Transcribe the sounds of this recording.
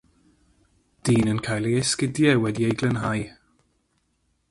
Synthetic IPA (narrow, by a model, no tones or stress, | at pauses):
d̥iːnənkʰajlˠiɛskɪdjɛwɛdiejɡlˠənɦaj